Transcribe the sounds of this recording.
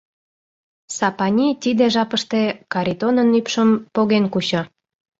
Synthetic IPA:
sɑpɑnʲit̪id̪eʒɑpəʃt̪ekɑɾʲit̪onənypʃəmpoɣenkut͡ɕo

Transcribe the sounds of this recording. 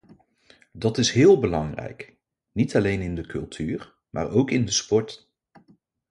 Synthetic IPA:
dɑtɪsɦɪːlˠbəlɑŋrɛ̰jk | nitɑlejnɪndəkʰɵ̰lˠtʰyːɹ | mʔa̰ːɹowkɪndəspɔɹt

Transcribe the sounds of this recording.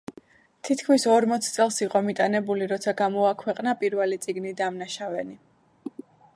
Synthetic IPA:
t̪ʰit̪kʰmisɔɾmɔt̪sʰt̪sʼɛlˠsiqʼɔmit̪ʼanɛbuliɾɔt̪sʰaɡamɔakʰwɛqʼnapʼiɾvɛlit̪sʼiɡnid̪amnaʃavɛni

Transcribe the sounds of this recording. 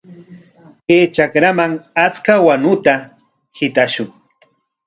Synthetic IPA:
keːt͡ʃakɾamaŋat͡skawanʊt̪a | hɪt̪aʃʊŋ

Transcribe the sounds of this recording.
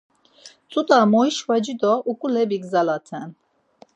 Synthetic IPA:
t͡sʼut̪ʼamɔiʃvad͡ʒid̪ɔʔukʼulɛbiɡzalat̪ʰɛn

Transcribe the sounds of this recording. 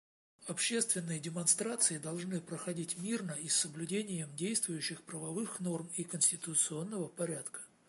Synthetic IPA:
ɐpɕːe̞st̪vʲɪnːɨjədʲɪmɐnst̪ɾat̪sɨɪd̪ɐlˠʐnɨpɾəxɐdʲitʲmʲirnəisːəblʲʉdʲenʲɪjəmdʲejst̪vʊjʉɕːɪxpɾəvɐvɨxno̞rmikənsʲtʲɪt̪ʊt̪sɨo̞nːəvəpɐɾʲat̪kə̥

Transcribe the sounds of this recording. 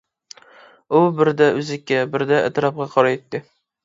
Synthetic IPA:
ʊbɪɾd̪aʔʉzɪkʲːabɪɾd̪a̰ːt̪ɾɑp̚qʰɑqʰɒɾajet̪ːɪ

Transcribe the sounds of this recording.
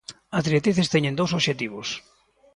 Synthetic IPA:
azðɾiet̪ɾiθest̪eɲẽnd̪owsoβʃet̪iβʊs

